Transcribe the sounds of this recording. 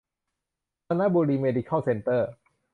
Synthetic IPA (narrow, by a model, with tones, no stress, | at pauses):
a˧na˦˥boː˧liː˧meː˧di˧kʰa˥˩wse˧nt̪ɤː˥˩